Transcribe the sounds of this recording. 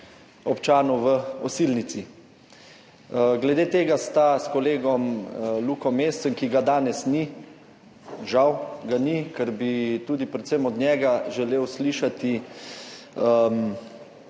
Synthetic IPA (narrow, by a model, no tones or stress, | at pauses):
ɔpt͡ʃaːnuʋəɔsilnit̪si | ɡlɛd̪eːt̪eːɡast̪askɔleːɡɔmluːkɔmeːst̪səŋkiɡad̪aːnɛsni | ʒawɡanikɛɾbit̪uːd̪ipɾɛt̪səmɔd̪nʲjɛːɡaʒɛleːwsliʃat̪i | əm